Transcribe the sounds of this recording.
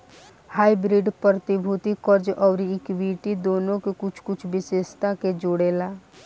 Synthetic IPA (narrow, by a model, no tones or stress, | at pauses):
haːibɾiɖpɾəɾət̪ibʱuːt̪ikəɾd͡ʒɔːɾɪkʋiːʈid̪oːnõkekʊt͡ʃʰkʊt͡ʃʰbɪseːʃt̪aked͡ʒʊɽeːlaː